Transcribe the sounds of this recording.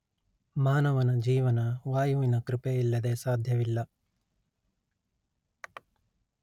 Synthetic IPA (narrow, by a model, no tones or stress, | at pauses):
maːnɐʋɐnɐd͡ʒiːʋɐnɐʋaːjuʋinɐkɾipejilːɐd̪eːsaːd̪ʱjɐʋilːɐ